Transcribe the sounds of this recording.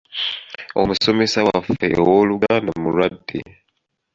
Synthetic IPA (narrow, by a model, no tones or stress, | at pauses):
o̰musomesawafḛwoluɡandamuɾadːḭ